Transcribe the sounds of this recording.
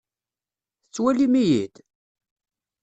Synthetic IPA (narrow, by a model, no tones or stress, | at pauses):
θət͡sːwælimijid̪